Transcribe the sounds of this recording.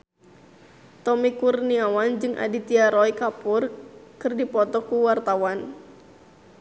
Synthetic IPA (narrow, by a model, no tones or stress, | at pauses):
t̪ɔmikurniawand͡ʒɨŋʔa̰dit̪iaɾɔikapurkɨrdipɔt̪ɔkuwart̪awan